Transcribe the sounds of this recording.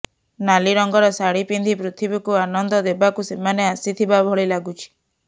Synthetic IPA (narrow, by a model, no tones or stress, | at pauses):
naliɾɔŋɡɔɾɔsaɽipind̪ʱipɾut̪ʰibikuanɔnd̪ɔd̪ebakusemaneasit̪ʰibabʱɔɭilaɡut͡ʃʰi̥